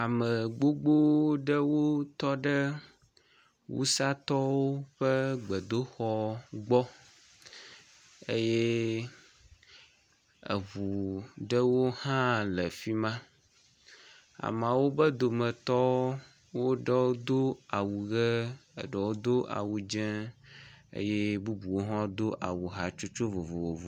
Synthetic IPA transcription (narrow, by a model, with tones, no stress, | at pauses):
a˨mə˨ɡ͡bo˦ɡ͡bo˦ɖə˦wo˦t̪ɔ˦ɖə˦ | wṵ˦sa˦t̪ɔ˦wo˦ɸə˦ɡ͡bə˨d̪o˦xɔ˨ɡ͡bɔ˦ | e˦je˦ | ə̰˨vu˨ɖə˦wo˦hã˦lə˨fi˦mã˦ | a̰˨mã˨wo˦bə˦d̪o˨mɛ̃˨t̪ɔ˦ | wo˦ɖə˦wo˦d̪o˦a˨wu˨ɣə˦ə̰˨ɖə˨wo˦d̪o˦ʔa̰˨wu˨d͡ʒɛ̃˦ | ḛ˦je˦bu˦bu˨wo˦ɦã˦d̪o˦ʔa˨wu˨ɦa˨t͡ʃo˦t͡ʃo˦vo˨vo˨vo˨vo˨